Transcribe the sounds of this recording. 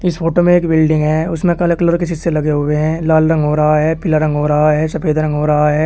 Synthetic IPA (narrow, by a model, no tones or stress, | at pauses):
ɪspʰoːʈomẽeːkbɪlɖɪ̃ŋɡɦɛ̃ːʊsmẽkɐlkləɾkɪsɪsselɐɡeɦʊʋeɦɛ̃ːlaːlɾɐ̃ŋɡɦoːɾɐɦaɦɛːpɪlaɾɐ̃ŋɡɦoːɾɐɦaɦɛːsɐpʰeːd̪ɾɐ̃ŋɡɦoːɾɐɦaɦɛː